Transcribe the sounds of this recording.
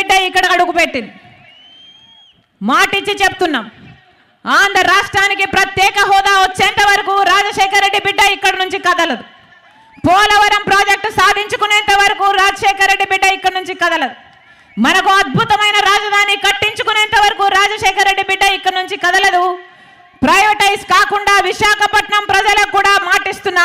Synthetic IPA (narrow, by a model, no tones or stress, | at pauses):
ɖːɐikːɐɽɐɐɽukupeʈːind̪i | maːʈit͡ʃit͡ʃepu̥t̪unːaːm | aːnd̪ʱɐɾaːʂʈɾaːnikipɾɐt̪jɛːkɐɦɔːd̪aːot͡ʃːeːnt̪ɐʋɐɾɐkuɾaːd͡ʒɐʃɛːkʰɐɾːe̞ɖːibiɖːɐikːɐɽɐnuɲt͡ʃikɐd̪ɐlɐd̪u | pɔːlɐʋɐɾɐmpɾoːd͡ʒek̚ʈsaːd̪ʱiɲt͡ʃukuneːnt̪ɐʋɐɾɐkuːɾaːd͡ʒɐʃɛːkɐɾːe̞ɖːibiɖːɐikːɐɽɐnuɲt͡ʃikɐd̪ɐlɐd̪u | mɐnɐkuɐd̪̚bʱut̪ɐmɐjnɐɾaːd͡ʒɐd̪ʱaːnikɐʈːiɲt͡ʃukuneɛːnt̪ɐʋɐɾɐkuɾaːd͡ʒɐʃɛːkʰɐɾːe̞ɖːibiɖːɐikːɐɽɐnuɲt͡ʃikɐd̪ɐlɐd̪u | pɾɐjʋɐʈɐjskaːkuɳɖaːʋiʂaːkʰɐpɐʈɳɐmpɾɐd͡ʒɐlɐkuːɽaːmaːʈist̪unːaː